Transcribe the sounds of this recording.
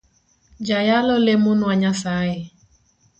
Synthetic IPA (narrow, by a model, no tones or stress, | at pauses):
d͡ʒajalʊlemʊnʊaɲasaɪ